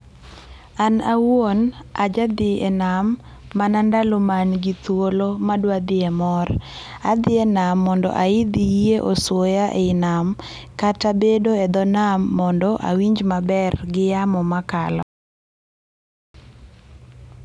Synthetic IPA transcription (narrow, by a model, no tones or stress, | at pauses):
anawonad͡ʒad̪ɪɛnamː | anandalomanɡɪt̪wolomadwad̪ɪɛmɔrad̪ɪɛnamːɔndɔ̰ʔaid̪ieʔɔswojaʔeɪnam | katabedoɛd̪ɔnamːɔndɔʔa̰wiɲd͡ʒmabɛrɡɪjamɔmakalɔ